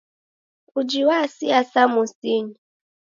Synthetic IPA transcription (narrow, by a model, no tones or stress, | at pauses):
ud͡ʒiwasiasamusiɲi